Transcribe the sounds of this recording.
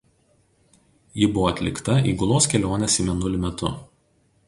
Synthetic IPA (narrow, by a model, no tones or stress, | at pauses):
jɪbʊʋoɐt̪ʲlʲɪkt̪ɐḭːɡʊlˠoːskʲɛlʲoːnʲɛsimʲɛnʊlʲɪmʲɛt̪ʊ